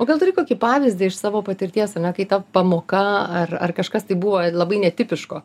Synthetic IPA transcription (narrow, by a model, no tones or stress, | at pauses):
oːɡɐlˠt̪ʊɾʲɪkoːkʲipɑːʋʲɪzʲd̪ʲɪɪʃsɑːʋoːpɐt̪ʲɪɾʲt̪ʲiɛsɐnʲɛkɐɪt̪ɐpɐmoːkɐɐrɐ̰rkɐʃkɐst̪ɐɪbuːʋoːlˠɐbɐɪnʲɛt̪ʲɪpʲɪʃkoː